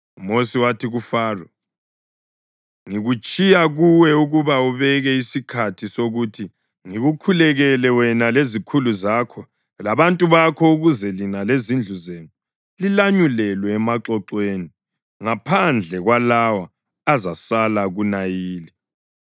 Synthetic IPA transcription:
umosiwatʰiɣufaːrɔ | ŋiɣut͡ʃʼijaɣuwɛuɣuβauβɛɣɛisikʰatʰisoɣutʰi | ŋiɣukʰulɛɣɛlɛwɛnalezikʰuluzakʰɔ | laβantʼuβakʰɔuɣuzɛlinalezind͡ɮʱuzeːnu | lilaɲulɛlwɛːmaǁɔǁweni | ŋapʰand͡ɮʱɛɣwalawaː | zasalaɣunajiːli

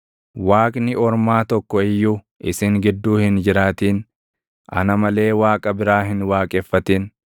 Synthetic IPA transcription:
waːkʼnɪɔɾmaːt̪ɔkːɔɪjːuː | ʔɪsɪŋɡɪd̪ːuːhɪnd͡ʒɪɾaːt̪iːn | ʔɐ̰nɐmɐle̞ːwaːkʼɐbɪɾaːɦɪnwaːkʼɛfːɐt̪iːn

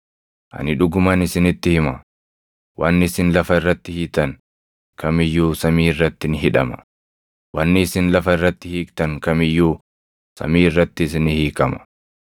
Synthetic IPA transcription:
ʔɐ̰nɪᶑʊɡʊmɐnɪsɪnɪt̪ːɪhɪmɐ | wʔɐnːɪːsɪnlɐfɐɪrːɐt̪ːɪhit̪ɐn | kɐmɪjːuːsɐmiːɪrːɐt̪ːɪnɪɦɪᶑɐ̰mɐ̥ | wɐnːɪːsɪnlɐfɐɪrːɐt̪ːɪhiːkt̪ɐŋkɐmɪjːuː | sɐ̰miːɪrːɐt̪ːɪːs̬ɪnɪhiːkɐmɐ̥

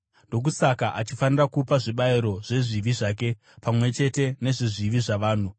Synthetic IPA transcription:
ndo̞k̬usakaʔat͡ʃifanirakupaʐiɓaiɾo̞ʐe̞ʐiʋiʐaːk̬e̞ | pamwe̞t͡ʃe̞te̞ne̞ʐiʐiʋiʐaʋaːn̤u

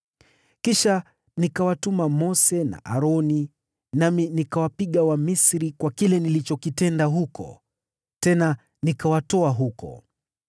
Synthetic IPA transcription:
kiʃa | nikawatumamɔsɛna̰ʔa̰ɾɔni | naminikawapiɠawamisɾikwakilɛnilit͡ʃɔkitɛndaɦukʰɔ̰ | tɛna | nikawatɔaɦukɔ̰

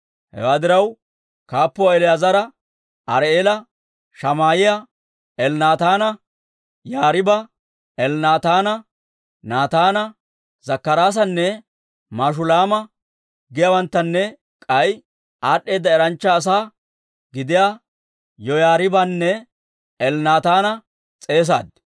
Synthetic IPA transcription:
hɛ̰waːd̪ɪɾɐw | kaːpːɔɛlɪjazɐɾɐ | ɐɾeːlɐ | ʃɐmaːjɪjɐ | ɛlnaːt̪aːnɐ | jaːɾɪbɐ | ɛlnaːt̪aːnɐ | naːt̪aːnɐ | zɐkːɐɾaːs̬ɐnːɛ | maːʃ̬ʊlaːmɐ | ɡɪjɐwɐnt̪ːɐnːɛ | kʼɐj | ʔaːɗːe̞ːd̪ːɐɛɾɐnt͡ʃːɐːs̬aː | ɡɪd̪ɪjaː | jɔjaːɾɪbɐnːɛ | ɛlnaːt̪aːnɐ | t͡sʼe̞ːs̬a̰ːd̪

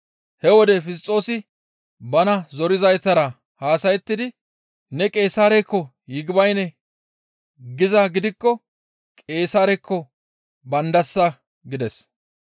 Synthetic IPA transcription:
hɛwɔd̪ɛfɪst̪ʼːo̞ːsɪ | bɐnɐzɔɾɪzɐjt̪ɐɾɐ | haːsɐjɛt̪ːɪd̪ɪ | nɛkʼe̞ːsaːɾɛkːɔ | jɪɡɪbɐjnɛ | ɡɪzɐɡɪd̪ɪkːɔ | kʼe̞ːsaːɾɛkʰːɔ | bɐnd̪ɐsːɐ | ɡɪd̪ɛs

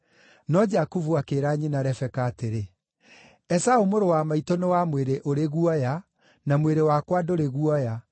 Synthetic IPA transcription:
nɔd͡ʒakuvuakeːɾaɲinaɾɛfɛkaːteɾe | ɛsaumoɾowamaitɔnewamweɾeʔoɾeɣuɔja | namweɾewakwadoɾeɣuɔja

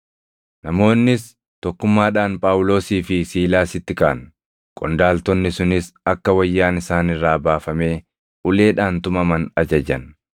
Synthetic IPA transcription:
nɐmo̞ːnːɪs | t̪ɔkːʊmːaːᶑaːnpʼaːwʊlo̞ːsiːfɪsiːlaːsɪt̪ːɪkaːn | kʼɔnd̪aːlt̪ɔnːɪsʊnɪsɐkːɐwɐjːaːnɪsaːnɪrːaːbaːfɐme̞ː | ʔʊle̞ːᶑaːnt̪ʊmɐmɐnɐd͡ʒɐd͡ʒɐn

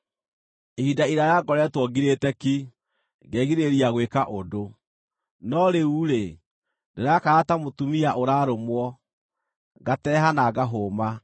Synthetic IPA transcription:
ehidaiɾajaɡɔɾɛtwɔɡiɾetɛki | ɡɛːɣiɾeɾiaɣwekaʔodo | nɔɾeuɾe | deɾakaɾatamotumiaʔoɾaɾomwɔ | ɣatɛɦanaɡaɦoma

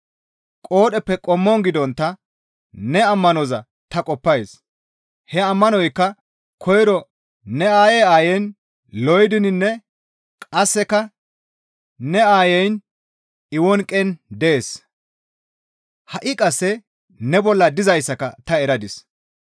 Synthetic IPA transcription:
kʼo̞ːɗɛpːɛkʼɔmːɔŋɡɪd̪ɔnt̪ːɐ | nɛɐmːɐnɔzɐ | t̪ɐkʼɔpːɐjs | hɛɐmːɐnɔjkːɐ | kʰɔjɾɔ | nɛaːjeaːjɛn | lɔjd̪ɪnɪnːɛ | kʼɐsːɛkɐ | nɛaːjɛjn | ɪwɔnkʼɛnd̪eːs | hɐʔɪkʼɐsːɛ | nɛbɔlːɐd̪ɪzɐjsːɐkɐ̰t̪ɐɛɾɐd̪ɪs

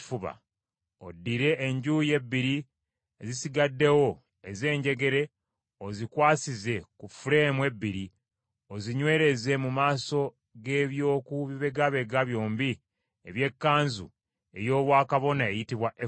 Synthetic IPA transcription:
fuβa̰ | odːiɾe̞ʔːɲɟuːje̞bːiɾi | ezisiɡadːe̞wo̞ | e̞ze̞ːɲɟe̞ɡe̞ɾe̞ | ozikwaːsize̞kufuɾe̞ːmwe̞bːiɾi | o̞ziɲwe̞ːɾe̞ze̞mumaːso̞ | ɡe̞βjo̞ːkuβiβe̞ɡaβe̞ɡaβjo̞ːmbi | eβje̞kːaːnzṵ | e̞̰jo̞ːβwaːkaβo̞naejitiβwaʔe

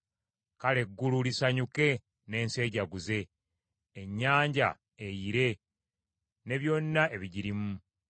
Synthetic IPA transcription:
kale̞ɡːululisaɲuke̞ | ne̞ːnse̞ːɟaɡuze̞ː | ɲːaːɲɟa̰ | ejiɾe̞ | ne̞βjo̞nːaʔe̞βiɟiɾimu

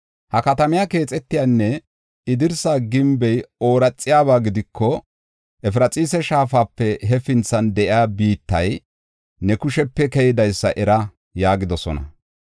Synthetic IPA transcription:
hɐkɐt̪ɐmɪjake̞ːt͡sʼɛt̪ːɪjaːnːɛ | ɪd̪ɪɾsaːɡɪmbɛjo̞ːɾɐt͡sʼːɪjaːβaːɡɪd̪ɪkːɔ | ʔɛfɪɾɐt͡sʼiːsɛʃaːfaːpːɛɦɛfɪnt͡sːɐnd̪ɛʔɪaːbiːt̪ːɐj | nɛkʊʃɛpːɛkɛjɪd̪ɐjsːɐʔɛɾɐ | jaːɡɪd̪ɔsɔ̰nɐ̰

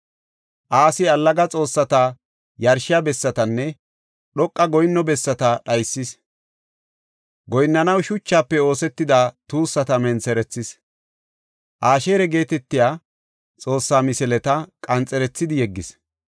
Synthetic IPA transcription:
ʔaːsɪɐlːɐɡɐt͡sʼo̞ːsːɐt̪a | jɐɾʃɪjabɛsːɐt̪ɐnːɛ | ɗɔkʼːɐɡɔjɪnːɔbɛsːɐt̪ɐɗɐjsːɪs | ɡɔjnːɐnɐwʃʊt͡ʃːaːpːɛo̞ːsɛt̪ːɪd̪aːt̪uːsːɐt̪ɐmɛnt͡sɛɾɛt͡sːɪs | ʔaːʃeːɾɛɡe̞ːt̪ɛt̪ːɪjaː | t͡sʼo̞ːsːaːmɪsɛlɛt̪ɐkʼɐnt͡sʼɛɾɛt͡sːɪd̪ɪjɛɡːɪs

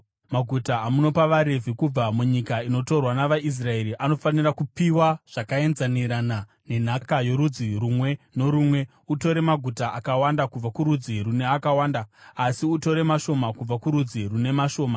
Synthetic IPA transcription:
maɡʱutaːmuno̞paʋaɾe̞vʱikub͡vamuɲikaino̞to̞rwanaʋais̬rae̞ɾiʔano̞fanirakupiwaʐ̥akae̞nzaniɾana | ne̞n̤akajo̞ɾud͡zirumwe̞no̞ɾumwe̞ | uto̞ɾe̞maɡʱutaʔakawandakub͡vakuɾud͡zirune̞akawaːndaasiuto̞ɾe̞maʃo̞makub͡vakuɾud͡zirune̞maʃo̞ːma

